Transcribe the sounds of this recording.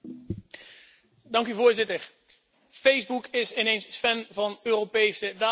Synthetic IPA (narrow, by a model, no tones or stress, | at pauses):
dɑŋkyvʊːɹzɪtəɹ | fejzbukʰɪsɪnejnsfɛnvɑnøːropejsədaː